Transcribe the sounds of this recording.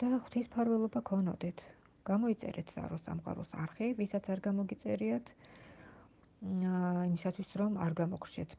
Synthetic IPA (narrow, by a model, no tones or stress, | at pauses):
d̪̥aχw̥t̪ʰispʰaɾvɛlˠɔbakʰɔnɔ̰d̪ɛt̪ʰ | ɡ̥amɔit̪sʼɛ̰ɾɛt̪ʰz̥a̰ɾɔsa̰mqʼa̰ɾɔ̰saɾχivisat̪sʰaɾɡamɔɡit̪sʼɛɾiat̪ʰ | imisat̪ʰwisɾɔmaɾɡamɔkʰɾt͡ʃʰɛt̪ʰ